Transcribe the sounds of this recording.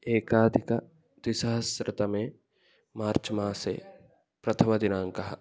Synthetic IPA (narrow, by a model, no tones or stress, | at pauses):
eːkaːd̪ʱikɐ | d̪wisɐɦɐsɾɐt̪ɐmẽː | maːɾt͡ʃɐmaːsḛ | pɾɐt̪ʰɐmɐd̪inaːŋkɐɦɐ